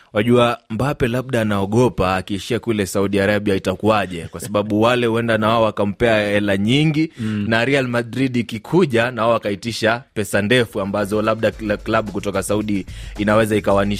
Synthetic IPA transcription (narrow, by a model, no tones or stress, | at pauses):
waʄuambapɛlaɓ̚ɗaːnaɔɠɔpaːkiːʃiakulɛsauɗiaɾaɓiaitakuaʄɛkwasaɓaɓuwalɛhuɛndanawaɔwakam̩pɛaɛlaɲiŋɡinaɾialmadɾiɗikikʰuʄanawaakaitiʃapɛsandɛfuambazɔlaɓɗaklaɓukutɔkasauɗiinawɛzaikawaniʃ